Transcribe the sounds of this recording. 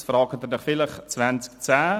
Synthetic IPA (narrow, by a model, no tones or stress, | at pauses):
sfəɾɑːkʰət̪ənəχfɪləχt͡svant͡skt͡sæː